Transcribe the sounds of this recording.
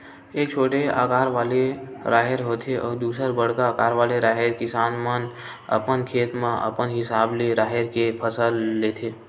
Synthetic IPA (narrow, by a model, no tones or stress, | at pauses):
eːk̚t͡ʃʰoːʈea̰ːkaːɾʋaːleɾʔaːɦɪɾɦoːt̪ʰeʔɔ̰ːɾd̪uːsəɾbəɽkaːkaːɾʋaːleɾaːɦeɾkɪsaːnmən | ə̰pənkʰeːt̪mãʔə̰pənɦɪsaːbleɾaːɦeɾkepʰəsəlːeːt̪ʰeː